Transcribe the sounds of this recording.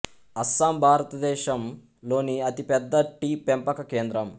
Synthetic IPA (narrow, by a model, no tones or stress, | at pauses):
ɐsːaːmbʱaːɾɐt̪ɐd̪ɛːʃɐm | lo̞ːniɐt̪ipɛd̪ːɐʈiːpempɐkɐkeːnd̪ɾɐm